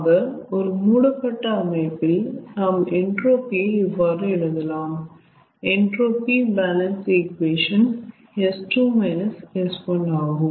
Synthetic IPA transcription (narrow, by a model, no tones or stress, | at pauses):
ɣɐɔɾɯmuːɽɐpːɐʈːɐɐmɐɪpːɪlnaːmɛɳʈɾoːpieɪʋːaːɾɯɛɽɐnd̪ɐlaːm | ɛɳʈɾoːpibaːlɐnsikʋeːʂɐn | ɛsʈuːmɐɪnɐsɛspɐɳaːɣɯ